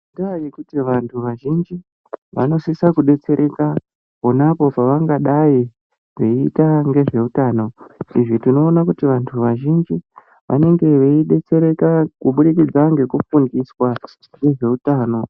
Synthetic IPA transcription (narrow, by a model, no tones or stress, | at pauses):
idaajikutiʋantʰuʋaʒind͡ʒi | ʋa̰no̞sisakuɗe̞t͡se̞ɾʔe̞ka | po̞napo̞paʋaŋɡaɗaji | ʋe̞ːtaŋɡe̞ʐe̞utaːno̞iʐitino̞ːnakutiʋantʰuʋaʒind͡ʒi | ʋʔa̰ne̞ŋɡe̞ʋeiɗe̞t͡se̞ɾe̞kakuɓuɗikid͡zaŋɡe̞kufundiswa | ŋɡe̞ʐe̞utaːno̞